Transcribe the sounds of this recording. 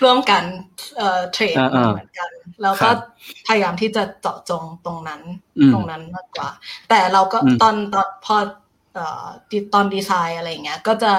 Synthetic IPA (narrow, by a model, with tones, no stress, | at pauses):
ɾɯ˥˩əmka˧nʔɤː˨˩t̪ʰɾeː˧˦˥tːmɯ˩˦ənka˧nlɛː˦˥wkɔː˥˩pʰa˧ja˧jaː˧mt̪ʰiː˥˩t͡ɕa˨˩t͡ɕɔ̰˨˩ʔt͡ɕo˧ŋt̪o˧ŋna˦˥nt̪o˧ŋna˦˥nmaː˥˩k̚ːwa̰ː˨˩t̪ɛː˨˩ɾa˧wkɔː˥˩t̪ɔː˧˩nt̪ɔː˧npʰɔː˧˩ | ʔɤː˨˩di˧t̪ɔː˧ndiː˧saː˧jʔa˧ɾa˧jːa˨˩ŋːi˦˥ɐkɔː˥˩t͡ɕa˨˩